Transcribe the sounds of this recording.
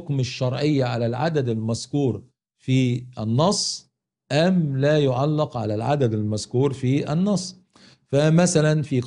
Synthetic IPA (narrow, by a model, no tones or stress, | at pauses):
kmɪʃːɑɾˤʕɪjːaʕalælʕad̪æd̪ɪlmæz̥kuːɾ | fiːʔænːɑsˤː | ʔæmlæːjʊʕalːɑqʕalælʕad̪æd̪ɪlmæzkuːɾfiːʔænːɑsˤː | fæmæsælænfiːq